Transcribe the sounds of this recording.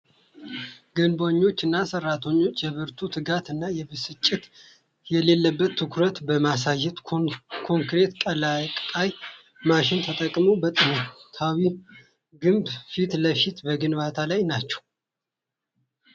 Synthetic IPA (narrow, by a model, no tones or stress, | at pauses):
ɡɨnboɲːo̞t͡ʃːɨnːasərːat̪ʰəɲːo̞t͡ʃːjɛβɨɾt̪ʰut̪ʰɨɡat̪ɨnːajɛbɨsɨt͡ʃʼːɪt̪ | jɛle̞lːəbːət̪ʰːɨkʰɾət̪bəmasajːɛt̪kʰo̞ŋkɾe̞t̪kʼəlakʼkʼaj | maʃɪnt̪ʰət̪ʼəkʼmobət̪ʼɨnt̪ʰawi | ɡɨmbfit̪ləfit̪bəɡɨnβat̪ʰalajnat͡ʃːɛ̥w